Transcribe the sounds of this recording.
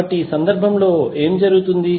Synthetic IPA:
ɐʈːiːsɐnd̪ɐɾbʱɐmlo̞ːe̞ːmd͡ʒɐɾuɡut̪und̪i

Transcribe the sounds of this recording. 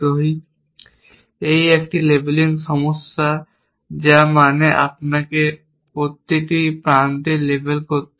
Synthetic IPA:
oi | eieːk̚ʈileblɪ̃ŋɡsɔmʊsa | d͡ʒamaːneʔa̰pnake | ot̪ːiʈ̪ipɾãːnt̪ileːbelko

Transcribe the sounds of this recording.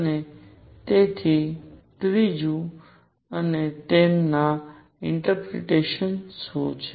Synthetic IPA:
əne | t̪et̪ʰit̪ɾid͡ʒũ | ənet̪enna | ɪ̃ɳʈəɾpɾḛʈeːʃənsoːt͡ʃʰ

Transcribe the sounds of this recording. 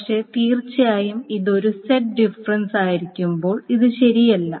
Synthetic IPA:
kʂe̞t̪iːrt͡ɕːɐjaːjumiðo̞ɾuseʈ̚ɖifɐrɐnsaːjiɾikʲːumbo̞ːɭiðɨɕɐɾijɐlːɐ

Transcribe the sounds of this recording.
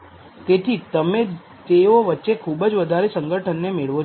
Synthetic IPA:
t̪et̪ʰit̪əme | t̪eoʋətːʃekʰubəd͡ʒʋəd̪ʱaɾesə̃ŋɡəʈʰənːemeɭʋo

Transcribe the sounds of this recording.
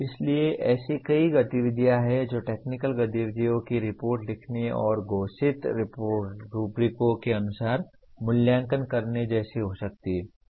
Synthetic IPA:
ɪslieʔɛːsikɐiɡɐt̪iʋɪd̪jaɦɛd͡ʒoːʈeːknɪkəlɡɐt̪iʋɪd̪ijõkiɾɪpoːɾʈlɪkʰneɔ̰ːɾɡoːsɪt̪ɾɪpoːʈɾuːpɾɪkõkeɐnʊsaːɾ | mʊljãːŋkənkɐɾned͡ʒɛːseɦosɐk̚t̪iɦɛ

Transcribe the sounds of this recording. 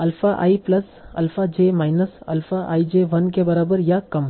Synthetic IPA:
ɐlfaʔa̰ːiplɐs | ɐ̰lfad͡ʒemaːjnəsɐ̰lfaʔa̰ːid͡ʒeʋɐnkebɐɾaːbəɾjakɐm

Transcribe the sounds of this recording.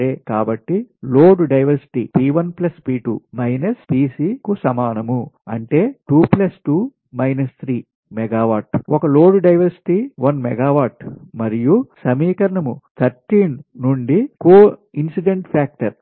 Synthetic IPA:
eːkaːbɐʈːiloːɖɖɐjʋɐɾsi̥ʈiːpiːʋɐnplɐspiːʈṵːmɐjnɐspiːsiːkusɐmaːnɐmuɐɳʈe̞ːʈuːplɐsʈuː | mɐjnɐst̪ʰɾiː | mɛɡaːʋaːʈʔɔkɐlo̞ːɖɖɐjʋɐɾsi̥ʈiːʋɐnmɛɡaːʋaːʈmɐɾijusɐmiːkɐɾɐɳɐmut̪ʰɐɾʈiːnnuɳɖikoːinsiɖeɳʈpʰaːk̚ʈɐɾ

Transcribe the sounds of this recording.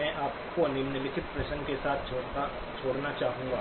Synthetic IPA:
ɛ̃ːʔaːp̚konɪɾnɪlɪt̪ʰɪt̪̚pɾɐʃə̃nkesaːt̪ʰː | t͡ʃʰoːɽnat͡ʃaːɦũːŋɡaː

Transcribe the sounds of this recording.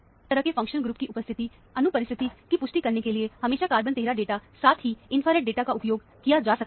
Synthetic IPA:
əɾəkːefʰə̃ŋkʃənɡɾuːp̚kiʔʊpəst̪ʰɪt̪i | ənʊpəɾɪst̪ʰɪt̪ikipʊsʃʈikəɾnekelɪehəmeːʃakaːɾbənt̪eːɾaɖeːʈasaːt̪ʰɦiːɪnpʰaːɾeːʈ̚ɖeːʈakaʊpjoːɡ | kɪjad͡ʒaːsə

